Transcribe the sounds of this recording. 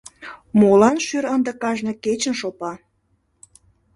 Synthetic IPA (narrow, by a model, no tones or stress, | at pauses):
molɑnʃyɾənd̪ə̆kɑʒnɤket͡ɕənʃopɑ